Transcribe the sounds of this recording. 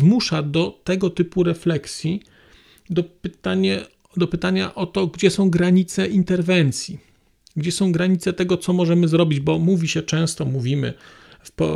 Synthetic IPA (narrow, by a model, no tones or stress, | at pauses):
zmuʂad̪ɔt̪ɛɡɔt̪ɘpuɾɛflɛksʲji | d̪ɔpɘt̪aɲɛ | d̪ɔpɘt̪aɲaʔɔt̪ɔɡd͡ʑɛsɔ̃w̃ɡɾaɲit̪sɛʔint̪ɛɾvɛnt̪sʲji | ɡd͡ʑɛsɔ̃w̃ɡɾaɲit̪sɛt̪ɛɡɔt̪sɔmɔʐɛmɘzɾɔbʲid͡ʑbɔmuvʲiɕɛt͡ʂɛ̃w̃st̪ɔmuvʲimɘ̰ | fpɔ̰